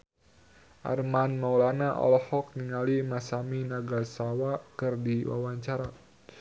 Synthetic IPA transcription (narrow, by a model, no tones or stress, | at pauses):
ʔa̰rmanmawlanaʔɔ̰lɔhɔk̚niŋalimasaminaɡasawakɨrdiwa̰waɲt͡ʃaɾa